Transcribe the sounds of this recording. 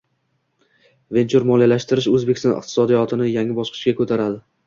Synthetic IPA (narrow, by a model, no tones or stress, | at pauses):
ve̞nt͡ʃʰuɾmɒlˠijlaʃt̪ɪɾɪʃɵzbekʲɪst̪ɒ̰nɪ̰q̚t̪ʰɪ̥sɒd̪ijɒt̪ʰɪnɪjaŋʲɪbɒʃqʰɨ̥ʃkʲakʰɵt̪ʰaɾad̪ɪ